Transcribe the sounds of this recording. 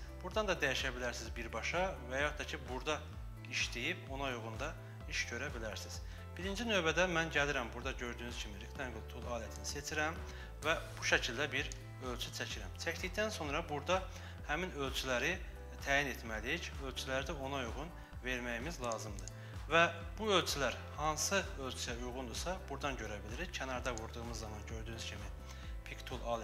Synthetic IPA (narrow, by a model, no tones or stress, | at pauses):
b̥uɾd̪ɑnd̪ɑd̪æjiʃæbilæɾsizbiɾbɑʃɑvæjɑht̪ʰɑcʰibuɾd̪ɑ | iʃd̪ijipʰo̞nɑjuɣund̪ɑ | iʃɟø̞ɾæbilæɾsiz̥ | b̥iɾind͡ʒinø̞bæd̪æmænɟæliɾæmbuɾd̪ɑɟø̞ɾd̪yːnyz̥cʰimiɾikt̪ʰænɡulˠt̪ʰulˠɑːlæt̪ʰinise̞t͡ʃʰiɾæm | væb̥uʃæcʰild̪æbiɾ | ø̞lʲt͡ʃʰyt͡ʃʰæcʰiɾæmt͡ʃʰæcd̪icd̪ænso̞nɾɑbuɾd̪ɑ | hæminø̞lt͡ʃʰylæɾi | t̪ʰæːjinet̪mælicø̞lt͡ʃʰylæɾd̪æo̞nɑujʁun | ve̞ɾmæjimizlˠɑːzɯmd̪ɯ | væ | buø̞lt͡ʃʰylæɾ | hɑnsɯø̞lʲt͡ʃʰyjæujʁund̪usɑb̥uɾd̪ɑnɟø̞ɾæbiliɾizcʰænɑɾd̪ɑvuɾd̪uɣɯmɯzːɑmɑnɟø̞ɾd̪yːnyzcʰimi | pʰikt̪ʰulˠɑːl